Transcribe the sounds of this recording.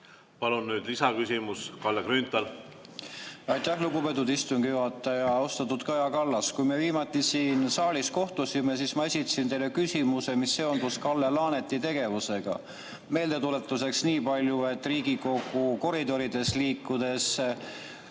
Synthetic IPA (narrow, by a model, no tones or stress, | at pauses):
pɑlunːyːd̪lisɑkysʲimuskɑlːekɾynt̪ˑɑl | ɑjt̪ːˑæhluɡupe̞t̪̬ːˑud̪ist̪uŋɡ̥ijuɦɑt̪ːˑɑjɑost̪ɑt̪ːˑut̪kɑjɑkɑlːɑskujmieviːmɑt̪ːˑisiːnsɑːlʲisko̞ht̪usʲime̞siːsmɑe̞sʲit̪ːˑɑ̥sint̪e̞jlekysimuse̞misːe̞o̞nd̪uskɑlːelɑːne̞t̪ːˑit̪e̞ɡ̥e̞vuse̞ɡ̥ɑ̰ | me̞ːld̪e̞t̪ule̞t̪ˑːuse̞ksniːpɑlʲjue̞t̪ːˑriːɡiko̞ɡ̥uko̞ɾid̪o̞ɾid̪e̞sliːkːˑud̪̥e̞s